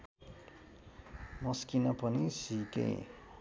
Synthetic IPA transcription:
mʌskinʌpʌnisikḛ

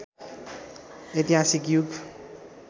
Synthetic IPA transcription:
et̪iɦasikjuɡ

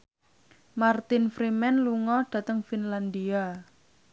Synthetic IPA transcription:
mart̪ɪnfɾimɛnluŋɔɖ̥ä̤t̪əŋfinland̪ia

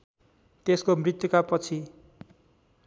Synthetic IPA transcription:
t̪eskomrit̪jukapʌt͡sʰi

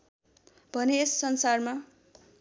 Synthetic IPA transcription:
bʱʌneesːʌnsarma

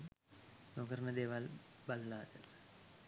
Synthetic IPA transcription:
noɡəɾnəd̪eːʋalballaːt̪əl

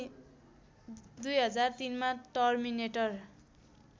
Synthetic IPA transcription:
d̪ujɦʌd͡zart̪inmaʈʌrmineʈʌr

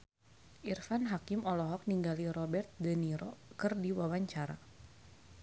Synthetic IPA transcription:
ʔirfanɦakimɔlɔɦɔk̚niŋɡaliɾɔbɛrt̪̚dəniɾɔkɨrdiwawaɲt͡ʃaɾa̰

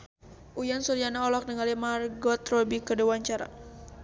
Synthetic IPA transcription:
ʔujansuɾijanaɔlɔk̚dəŋalimarɡɔt̪rɔbikəduwaɲt͡ʃaɾa̰

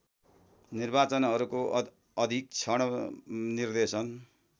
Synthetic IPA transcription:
nirbat͡sʌnɦʌɾuko | ʌd̪ʱik̚t͡sʰʌɽ̃ʌnird̪esʌn

